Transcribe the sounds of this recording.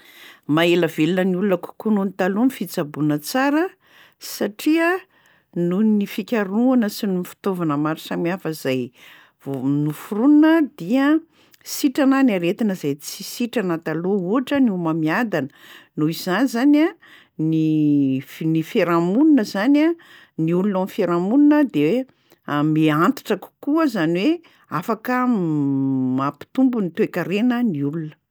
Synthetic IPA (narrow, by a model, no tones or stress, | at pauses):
maeləvelunəniulunəku̥kununit̪alunifit͡sabunət͡saɾə | saʈ͡ʂiə | nunifikʲaɾuanəsinumfi̥t̪ovanəmaɾisamiafəizaj | vnufuɾununəd̪iə | siʈ͡ʂananaɾet̪inəzajt͡sisiʈ͡ʂanat̪alouaʈ͡ʂəniumamiad̪anənuiz̥anizana | ni | nifeɾamuninəzana | niulunamfeɾamuninəd̪ewee | miant̪i̥ʈ͡ʂaku̥kuəzaniwe | afakə | mapi̥t̪umbunit̪ekəɾenəniulunə̥